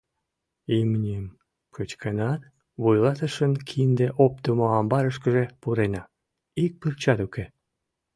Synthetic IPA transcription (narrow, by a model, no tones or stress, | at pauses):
imnʲim | kɨt͡ɕkʰenɑt̪ | βujlˠɑt̪ə̆ʃənkʰind̪eʔop̚t̪əmoɑmbɑɾəʃkə̆ʒepuɾenɑ | ik̚pɨrt͡ɕɑt̪uke